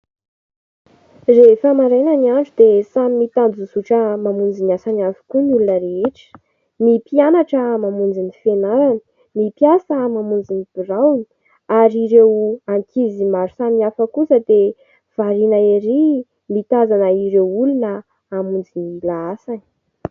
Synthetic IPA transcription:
refəmaɾenəniaɳɖ͡ʐud̪esamimit̪and͡zusuʈ͡ʂəmamund͡zinasanavu̥kunulunəɾeeʈ͡ʂə̥ | mipianaʈ͡ʂəmamund͡zinifenaɾani̥ | mipjasəmamund͡zinib̥irawni̥ | aɾiɾewaŋkizimaɾu̥samiafəkusəd̪e | v̥aɾinaeɾi | mit̪azanəiɾewulunə | amund͡zinilaasani̥

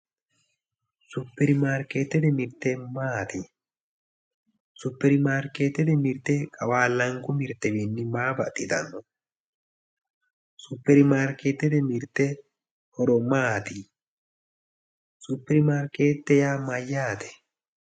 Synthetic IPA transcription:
sʊpːɛɾmaːɾket̪ːɛd̪ɛmɪɾt̪ːɛmaːt̪i | sʊpːɛɾmaːɾket̪ːɛt̪ɛmɪɾt̪ːɛkʼɐwaːlːɐŋkʊmɪɾt̪ːɛbinːɪmaːbɐ̰t̪ʼɪt̪ɐ̰nːɔ | sʊpːɛɾɪmaːɾkeːt̪ːɛt̪ɛmɪɾt̪ːɛ | hɔɾɔmaːt̪ɪ | sʊpːɛɾmaːɾkeːt̪ːɛjaːmɐjːaːt̪ɛ̥

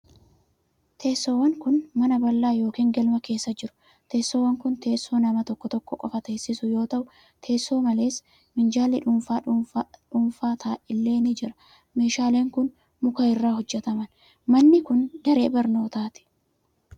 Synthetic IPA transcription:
t̪ʰe̞ːsːoːwːɐŋkʊnmɐnɐbɐlːaːjo̞ːkiːŋɡɐlmɐke̞ːsːɐd͡ʒɪɾʊ̥ | t̪e̞ːsːoːwːɐŋkʊnt̪e̞ːsːo̞ːnɐmɐt̪ɔkːɔt̪ɔkːɔkʼɔfɐt̪e̞ːsːɪsʊjo̞ːt̪ɐʔʊ | t̪ʰe̞ːsːo̞ːmɐle̞ːs | mɪnd͡ʒaːlːɪᶑʊnfaᶑʊnfaːt̪ʰaːʔɪlːe̞ːnɪd͡ʒɪɾɐ̥ | me̞ːʃaːle̞ːŋkʊn | mʊkɐɪrːaːhɔd͡ʒːɛt̪ɐmɐn | mɐnːɪkʊnd̪ɐɾe̞̰ːbɐɾno̞ːt̪aːt̪ɪ̥

